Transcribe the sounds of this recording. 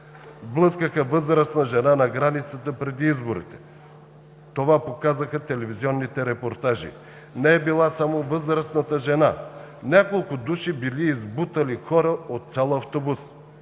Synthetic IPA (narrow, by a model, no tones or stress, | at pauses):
blˠɤskəxəvɤzɾəsnəʒɛnanɐɡɾanit̪sət̪əpɾɛd̪iizboɾḭt̪ɛ̥ | t̪ovapokazəxət̪ɛlɛviziɔnːit̪ɛɾɛpoɾt̪aʒḭ | nɛɛbilˠasamovɤzɾəsnət̪əʒɛnanʲakolˠkʊd̪uʃibiliːzbut̪əlixɔɾəot̪̚sʲalˠɐft̪obus